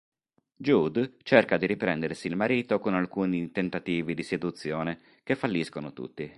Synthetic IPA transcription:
d͡ʒud̪t͡ʃerkad̪iɾipɾɛnd̪eɾsiːlmaɾiːt̪okonalkuːnit̪ent̪at̪iːvid̪ised̪ut̪sːjɔːne | k̟efːalːiskonot̪ṵt̪ːi

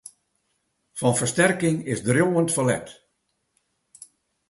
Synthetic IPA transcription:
fɔnfəstɛrkɪŋɪsdrjoːəntfɔlɛ̰t

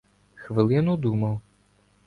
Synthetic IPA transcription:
xʋɨlˠɨjnud̪umɐw

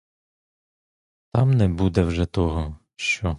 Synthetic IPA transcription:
t̪ɑmnɛbud̪ɛwʒɛt̪ɔɦɔ | ʃt͡ʃɔ

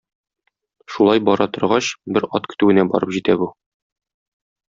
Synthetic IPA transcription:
ʃulˠɑjbɒɾɑt̪ŏɾʁɑɕbɘɾɒt̪kɵ̥̆t̪ʉwɘ̆næbɒ̰ɾɤpʑit̪æbu

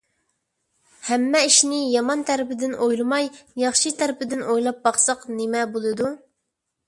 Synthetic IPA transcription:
hɛmːɛiʃnɪjɑmɑnt̪ʰæɾɪpɪd̪ɪnʔojlˠɨmɑjjɑχʃit̪ʰæɾɪpɪd̪ɪnojlˠɑp̚bɑχsɑqnɪmɛbolˠɨd̪u

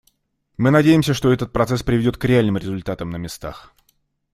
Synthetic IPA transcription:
mɨnɐdʲejɪmsʲəʂt̪oɛt̪ət̪̚pɾɐt̪sɛspɾʲɪvʲɪdʲo̞t̪̚kɾʲɪalʲnɨmɾʲɪzʊlʲt̪at̪əmnəmʲɪst̪a̰x

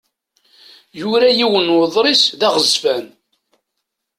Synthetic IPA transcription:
juɾæjiwənwəðˤɾisðæʁəzfæn

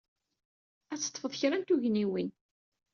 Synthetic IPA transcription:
æt͡sːə̥t̪ˤːfəðˤçɾænt̪uʝniwin

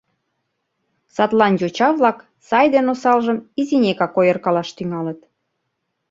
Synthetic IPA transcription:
sɑt̪lɑnjot͡ɕɑβlɑk | sɑjd̪enosɑlʒəmizinʲekɑkojərkɑlɑʃt̪yŋɑlət̪

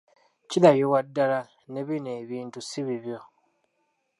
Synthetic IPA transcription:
cilajowadːala | ne̞βine̞ːβiːntusiβiβjo̞

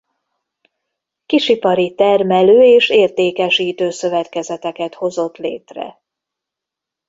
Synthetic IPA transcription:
kiʃipɒɾit̪ɛrmɛløːeːʃeːrt̪eːkɛʃiːt̪øːsø̞vɛt̪kɛzɛt̪ɛkɛt̪ho̞zo̞t̪lḛːt̪rɛ̰

